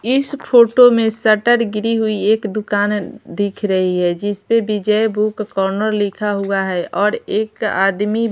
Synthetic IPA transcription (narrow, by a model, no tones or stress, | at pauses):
ɪspʰoːʈomẽsəʈəɾɡɾiɦuieːkd̪ʊkaːnd̪ɪkʰɾəɦiɦɛd͡ʒɪspebɪd͡ʒəjbukːɔːɾnəɾlɪkʰaɦuaɦɛʔɔːɾeːka̰ːd̪mi